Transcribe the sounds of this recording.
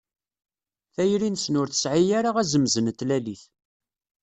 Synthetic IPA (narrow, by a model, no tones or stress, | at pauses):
θæjɾinsnʊɾθə̥sʕijaɾaʁæzəmzənət̪ːlæliθ